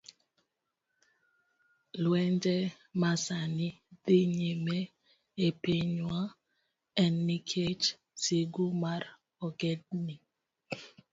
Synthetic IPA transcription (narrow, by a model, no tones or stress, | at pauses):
lwɛnd͡ʒɛ | masanideɲeme | epeɲwa | ɛnːikʰed͡ʒ | seɡumaɾ | ɔɡɛd̚ni